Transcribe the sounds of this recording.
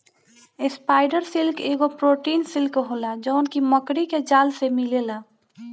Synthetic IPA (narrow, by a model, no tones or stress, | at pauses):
ɪspaːɪɖəɾsɪlkeːɡopɾoːʈiːnsɪlkɦoːlad͡ʒənkiməkɽiked͡ʒaːlsemɪlelaː